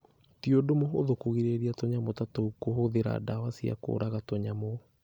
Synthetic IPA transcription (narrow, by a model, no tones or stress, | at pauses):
tiodomoɦo̰ðokoɣiɾeɾiatoɲamotatoukoɦoðeɾa̰dawasia̰ko̰ːɾaɣatoɲamo